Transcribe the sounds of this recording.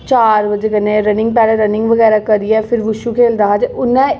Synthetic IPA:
t͡ʃaːɾbəd͡ʒekənẽːɾənɪ̃ŋɡ̚pɛːɽeɾənɪ̃ŋɡʋəɣɛːɾaːkəɾiɛːpʰɪɾʋʊʃukʰeːld̪aːɦat͡ʃʊnːɛ̃ː

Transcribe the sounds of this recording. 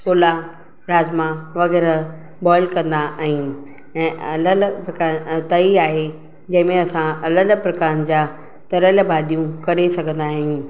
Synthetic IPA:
koːla | ɾaːzmãʋɐɣɛːɾ | bɔːɪlkɐ̃nd̪aʔaːɦijũ | ɛ̃ːʔɐləlpɾɐkaːɾt̪ɐiaːɦe | d͡ʑɐ̃ɦɪ̃mẽɐsãɐləlpɾɐkaːɾnɪ̆d͡ʑaː | t̪ɐɾəlbaːd̪ʱijũkɐɾesɐɡʱə̃nd̪aːɦijũː

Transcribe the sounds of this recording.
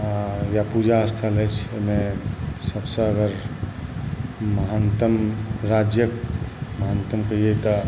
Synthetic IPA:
japud͡ʒaəst̪ʰalət͡ʃʰomesəbsə̃əɡəɾ | məɦant̪əmɾad͡ʒjəkməɦant̪əmkəijet̪ɔ

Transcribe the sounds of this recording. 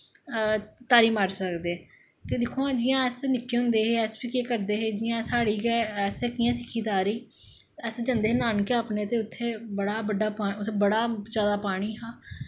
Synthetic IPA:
t̪aːɾiːmaːɾsəkd̪eː | t̪eːd̪ɪkʰːoːãːd͡ʒɪjãːɛːsnɪkːeːɦʊ̃nd̪eːɦeːɛːsbiːkeːkəɾd̪eːɦeːd͡ʒɪjãːsaːɽiːkɛɛːsɛːkɪjãːsɪkʰːiːt̪aːɾiː | ɛːsd͡ʒə̃nd̪eːnaːnkeaːpneːt̪eːʊt̪ʰːeːbəɽaːbəɖaːpaːʊbəɽaːd͡ʒaːd̪aːpaːɽ̃iːɦaː

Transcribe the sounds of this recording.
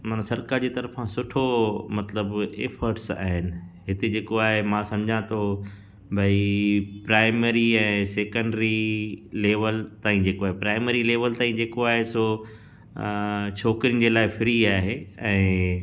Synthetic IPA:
maːnãsɐɾkaːɾd͡ʑeːt̪ɐɾfãsʊʈʰomɐt̪ləbeːfəɾʈsa̰ːɦɪnɪ̆ɦɪt̪ed͡ʑeːkoaːɦemãsɐ̃md͡ʑʱãt̪ʰo | bʱɐipɾaːɪmeɾiɛ̃ːseːkə̃ɳɖɾileːʋəlt̪aːĩd͡ʑeːkoaːɦepɾaːɪmeːɾileːʋəlt̪aːɦĩd͡ʑeːkoaːɦeso | t͡ɕʰoːkɾiənd͡ʑeːlaːɪfɪɾiaːɦeɛ̃ː

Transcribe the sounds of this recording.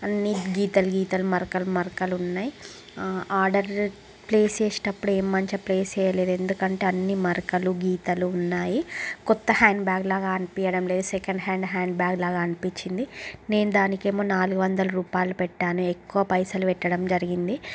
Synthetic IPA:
ɐnːiɡiːt̪ɐluɡiːt̪ɐlumɐɾkɐlumɐɾkɐluunːaːji | aːɾɖɐɾ | ple̞ːst͡ʃeːsi̥nɐpːuɽueːmːɐɲt͡ʃɐpleːst͡ʃɛːjɐleːd̪ue̞nd̪ukɐɳʈeːɐnːimɐɾkɐluɡiːt̪ɐluːnːaːjikɔt̪ːɐhaːɳɖbjaːɡlaːɡaːɐnipijɐɽɐmle̞ːd̪usɛkɐɳɖɦaːɳɖɦaːɳɖbaːɡlaːɡaːɐnipiɲt͡ʃːind̪ine̞ːnud̪aːnike̞ːmoːnaːluɡuʋɐnd̪ɐlɐɾuːpaːjlupɛʈːaːnuekːuʋɐpɐjsɐluʋɛʈːɐɽɐmd͡ʒɐɾiɡind̪i

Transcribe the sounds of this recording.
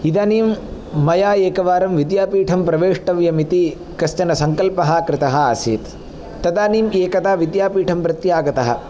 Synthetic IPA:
id̪aːniːmː | ɐjaːeːkɐʋaːɾɐmʋid̪jaːpiːʈʰɐmpɾɐʋeːʂʈɐʋjɐmit̪i | kɐst͡ʃɐnɐsɐŋkɐlpɐɦɐ̆kɾɪt̪ɐɦɐ̆aːsḭːt̪ | t̪ːɐd̪aːniːmeːkɐt̪aːʋid̪jaːpiːʈʰɐmpɾɐt̪jaːɡɐt̪ɐɦɐ̰

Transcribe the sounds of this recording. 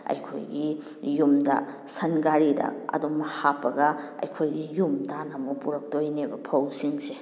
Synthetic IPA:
ɐ̰jkʰo̰jɡi | jumdɐ̰sɐnɡaɾidɐ̰ɐ̰dumɐhapːɐɡɐɐ̰jkʰojɡijumtanɐmupuɾɐk̚tojnebɐpʰɐwsiŋse

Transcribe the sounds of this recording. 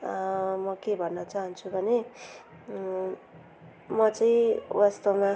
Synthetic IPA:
mʌkebʱʌnːʌt͡saɦʌnt͡sʰubʱʌne | mʌt͡saĩwast̪ʌma

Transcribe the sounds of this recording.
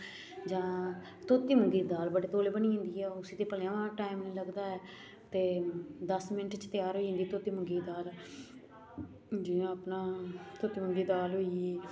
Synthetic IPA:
d͡ʒãː | t̪oːt̪ːiːməŋɡiːd̪aːlbəɽeːt̪oːleːbəniːɦɪ̃nd̪iːɛːʊsiːt̪eːpəlãːʋãːʈaːimnẽːləɡd̪aːɛː | t̪eːd̪əsmɪnəʈt͡ʃt̪ɪjaːɾɦoːiːɦɪ̃nd̪iːt̪oːt̪iːməŋɡiːd̪aːl | d͡ʒɪãːəpnaːt̪oːt̪iːməŋɡiːd̪aːlɦoːiɛː

